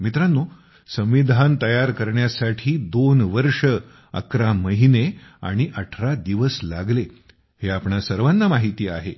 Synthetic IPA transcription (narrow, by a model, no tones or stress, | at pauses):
mit̪ɾanːo | sə̃mʋid̪ʱant̪əjaɾkəɾɳjasaʈʰiːd̪onʋəɾʂə | ə̰kɾaməɦinea̰ɽ̃iʔəʈʰɾad̪iʋəslaɡle | heapɳasəɾʋanːamaɦit̪iːa̰ɦḛ